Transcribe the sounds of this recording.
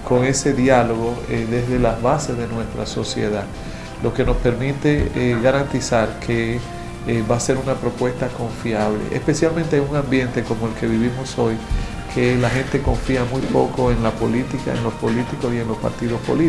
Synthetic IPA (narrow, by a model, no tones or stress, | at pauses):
ko̞ŋe̞se̞ðjalo̞ɣo̞ðe̞zðe̞laβase̞zðenwe̞st̪ɾa̰so̞sjḛðað | lo̞ke̞no̞spe̞ɾmit̪e̞ɣaɾant̪isaɾkʰe | βase̞ɾunapɾo̞pwe̞st̪ako̞ɱfjaβ̞lḛʔḛspe̞sjalment̪eeŋuŋãmbje̞nt̪e̞ko̞moe̞lke̞βiβimo̞so̞j | kʰe̞laxe̞nt̪e̞ko̞ɱfiamujpo̞ko̞eŋlapo̞lit̪ika̰ḛŋlo̞spo̞lit̪iko̞sie̞nlo̞spa̰ɾt̪iðo̞spo̞̰li